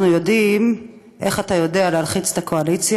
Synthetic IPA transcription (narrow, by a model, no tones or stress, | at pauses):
nujo̞dim | ʔe̞χatajo̞de̞aleɦalχit͡se̥t̪akʰoalit͡sj